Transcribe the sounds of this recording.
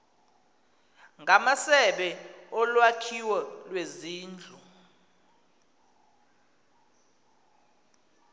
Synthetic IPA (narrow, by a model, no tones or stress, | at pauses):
ŋɡʱamasɛɓɛɔlwakʰiwɔlweziːnd͡ɮʱu